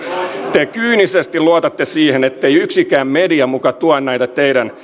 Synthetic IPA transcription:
t̪ekyːnisest̪iluot̪ɑt̪ːesiːhenet̪ːejyksikæːmmediɑmukɑt̪uɑnːæjt̪ɑt̪ejdæn

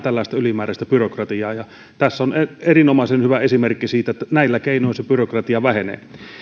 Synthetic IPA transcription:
t̪ælːæˑest̪æylimæːræst̪æpyrokrɑt̪iɑːjɑ | t̪æsːoneerinomɑˑesenhyʋæesimerkːisiːt̪æet̪ːænæilːækeˑinoˑisepyrokrɑt̪iɑʋæhenḛː

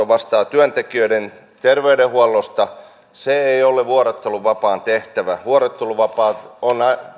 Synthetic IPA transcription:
oʋɑst̪ɑːt̪yønt̪ekiøiden | t̪erʋeydehuɑlːost̪ɑ | seeioleʋuoret̪ːeluʋɑpɑːnt̪eht̪æʋæʋuoret̪ːeluʋɑpɑːt̪onɑ

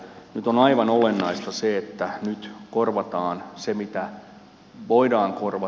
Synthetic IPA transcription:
nyt̪onɑiʋɑnolenːɑist̪ɑseet̪ːænyt̪korʋɑt̪ɑːnsemit̪æ | ʋoidɑːŋkorʋɑ

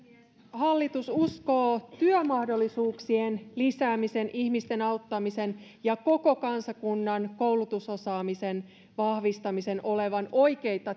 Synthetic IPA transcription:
hɑlːit̪ususko̞ːt̪yœmɑhdo̞lːisuːksienlisæːmise̞nʔihmist̪e̞nɑwt̪ːɑmise̞njɑko̞ko̞kɑnsɑkunːɑnko̞wlut̪uso̞sɑːmise̞n | ʋɑhʋist̪ɑmise̞nʔo̞le̞ʋɑno̞jke̞jt̪ɑ

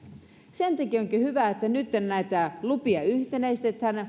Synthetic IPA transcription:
sent̪ækioŋkihyʋæet̪ːænyt̪ːennæit̪ælupiɑyht̪enæist̪et̪hæn

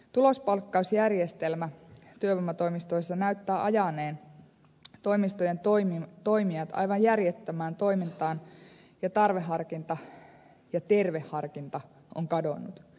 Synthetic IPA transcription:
t̪ulospɑlkːɑusjærjest̪elmæt̪yøʋomːɑt̪o̞imist̪oisːɑnæyt̪ːæːʔɑjɑneːn | t̪o̞imist̪ojent̪omt̪o̞imiɑt̪ɑ̰jʋɑjjærjet̪ːæmæːnt̪o̞imint̪ɑːn | jɑt̪ɑrʋeɦɑrkint̪ɑ | jɑt̪e̞rʋe̞hːɑrkint̪ɑ | ʔo̰ŋkɑdonːut̪

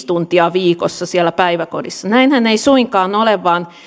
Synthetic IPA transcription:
t̪unt̪iɑʋiːkosːɑsiælːˑæpæiʋækodisːɑnæinhæneisuiŋkɑːnoleʋʋɑːn

